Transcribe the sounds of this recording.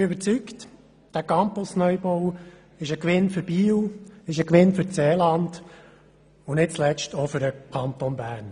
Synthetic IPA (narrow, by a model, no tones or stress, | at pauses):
bɪøbəɾt͡sykt | d̥æːkɑmpɔsnœjbow | ɪʃəkʋɪnfʏɾb̥iːwɪʃəkʋɪnfʏɾt͡seːlɑnd | ʊnɪt̚t͡slɛt͡ʃtʰɔfʏɾəkʰɑnt̪ɔnbæːɾn